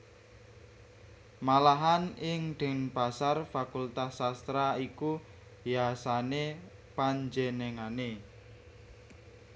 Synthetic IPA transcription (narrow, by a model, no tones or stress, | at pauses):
malaɦanɪŋɖ̪̥ə̤npasarfakult̪asast̪ɾaiku | jasane | paɲd͡ʒeneŋane